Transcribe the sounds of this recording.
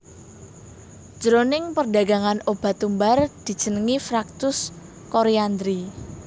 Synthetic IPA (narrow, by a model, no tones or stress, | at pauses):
d͡ʒ̥ɾonɪŋpərɖaɡa̤ŋanob̥a̤t̪umbard̪̥i̤d̥ʒ̥ənəŋifɾak̚t̪ʊs | koɾiand̪ɾi